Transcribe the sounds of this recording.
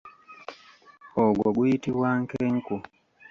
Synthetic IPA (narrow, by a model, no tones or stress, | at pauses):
oɡwoɡujitiβwaŋkeŋku